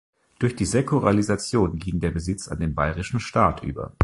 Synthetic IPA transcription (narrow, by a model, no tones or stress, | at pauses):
d̥ʊɐçd̥iːzekuʁalizat͡sjoːnɡiːŋdeːɐbəzɪt͡sa̰ndeːnbaɪʁɪʃn̩ʃtaːtʔy̰ːbɐ̰